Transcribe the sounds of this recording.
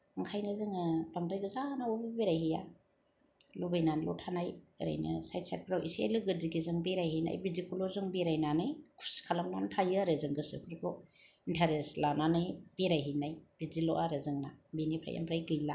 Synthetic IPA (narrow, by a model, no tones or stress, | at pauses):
ŋkʰajnɯzɯŋɯbaŋɾajɡɯzanawobibeɾajhija | lobajnanlɔ̰tʰanajɾa̰jnɯ̰sajt̚sa̰t̚pʰɾawʔḭsḛlɯɡɯdiɡizɯŋbeɾajɦijna̰jbizikulɔzɯŋbiɾajnanɯjkʰu̥skʰalamnantʰajɯɾɯzɯŋɡɯsɯ̰kʰɯɾkʰɔintʰaɾeslananɯjb̥eɾajɦijnajb̥izilɔʔaɾɯzɯŋnabinipʰɾa̰jʔa̰mpʰɾajɡɯjla